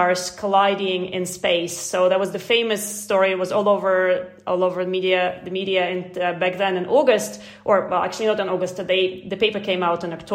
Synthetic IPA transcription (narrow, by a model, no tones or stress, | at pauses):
ɑɹskʰəlaɪɾiɪ̃ŋɪ̰̃nspeɪsːoʊðət̚wʌzðɨfẽɪ̃mɨstɔɹiɨt̚wʌzɔlˠoʊvə˞ | ʔɔ̰lˠoʊvə˞ðəmiɾiɨðɨmiɾiɨɪ̃nbæk̚dɨ̃nɨ̃nʔɔɡɨst | ʔə˞wɛlˠæ̰k̚t͡ʃʉl̩ˠinoʊɾ̃nɔɡɨstðeɪðɨpeɪpə˞kʰẽɪ̃maʊɾɨ̃nəktʰ